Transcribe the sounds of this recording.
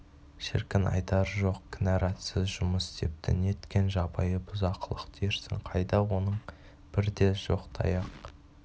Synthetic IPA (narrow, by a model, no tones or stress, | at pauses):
ʃɪ̰ɾkʲɪnɑ̰jt̪ɑɾʒo̞qkʲʰɪnɑɾɑt̪sɪzʒʊməsd̪e̞p̚t̪ʰɪne̞t̪kʲe̞nʒɑbɑjəbʊzɑqʰəlˠəqt̪ʰeɾsɪ̰ŋqʰɑjd̪ɑwo̞nəɴ | b̥ɪɾd̪e̞ʒo̞̰qt̪ʰɑ̰jɑq